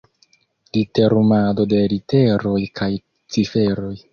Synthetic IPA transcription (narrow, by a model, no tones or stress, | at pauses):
lite̞ɾumado̞de̞lite̞ɾo̞jkʰaj | t͡sife̞ɾo̞j